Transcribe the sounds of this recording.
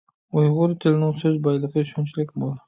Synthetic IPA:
ʊjʁʊɾt̪ʰɪlnɪŋsɵzbajlˠɪqɨʊʃɔnt͡ʃʰɪlɪkʲboɾ

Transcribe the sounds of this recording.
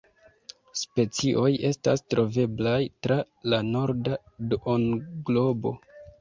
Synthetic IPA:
spe̞t͡siʔo̞je̞sta̰stɾo̞ve̞blajtɾa | lano̞ɾda | donɡlo̞bo̞̰

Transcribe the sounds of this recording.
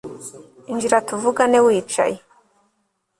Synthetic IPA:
ind͡ʒiɾatuvuɡanewiːt͡ʃa̰je

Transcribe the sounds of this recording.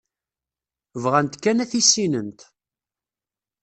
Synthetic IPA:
vʁænt̪kːænæθisːinənt̪

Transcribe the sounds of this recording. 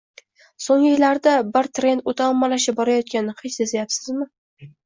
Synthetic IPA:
soŋɪjɪlːaɾd̪abɪɾt̪ɾe̞nd̪t̪ot̪ʰamːalaʃɪp̚bɒɾajɒt̪̚kʲanɪhet͡ʃsezajapsɪzmɪ

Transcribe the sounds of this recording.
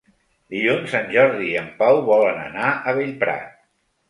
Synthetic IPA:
d̪iʎunsanʲʒɔɾðiːəmpawβɔlənə̰naəβ̞eʎpɾa̰t̪̚

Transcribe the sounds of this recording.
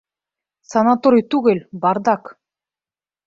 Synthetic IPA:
sanat̪oɾit̪uɣelʲbɑɾd̪ɑk

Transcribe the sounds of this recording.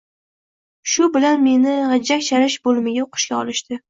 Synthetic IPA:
ʃʊbɪlanme̞nɪʁɑd͡ʒakʲʃaɾɪʃbolˠmɪɡʲaoqʰʊ̥ʃkʲaɒ̰lˠɪʃt̪ɪ

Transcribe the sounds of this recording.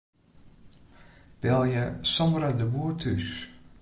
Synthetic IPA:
d̥ɛlˠjəsɔmɾədəbuːtʰys

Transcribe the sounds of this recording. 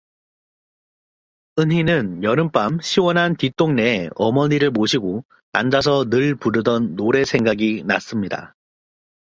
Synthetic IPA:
ɯnɦinɯnjʌɾɯmp͈amɕʰiwʌnɦantit͈oŋneeʌmʌɲiɾɯɭmoɕʰiɡo | a̰nd͡ʑas̬ʰʌnɯɭpuɾɯdʌnːoɾe̞sʰe̞ŋɡaɡinas͈ɯmɲida̰

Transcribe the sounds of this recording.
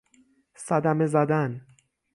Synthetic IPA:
sæd̪æme̞zæd̪æn

